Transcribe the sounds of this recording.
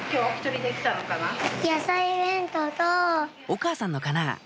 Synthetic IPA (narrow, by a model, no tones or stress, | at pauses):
kʲo̞ːaçʲi̥t̪oɾʲid̪ekʲi̥t̪anokanajasaibẽ̞nt̪ot̪o | o̞kaːsãnːo̞kana̰